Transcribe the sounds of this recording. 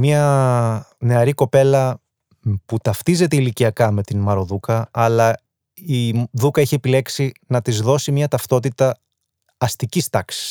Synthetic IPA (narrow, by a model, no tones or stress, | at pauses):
miɐ | ne̞ɐɾiko̞pe̞lɐ | put̪ɐft̪ize̞t̪e̞iliciɐkɐme̞t̪inmɐɾo̞ðukɐːlɐ | iðukɐeçie̞pile̞ksinɐt̪izðo̞simiɐt̪ɐft̪o̞t̪it̪ɐː | st̪icist̪ɐksi̥s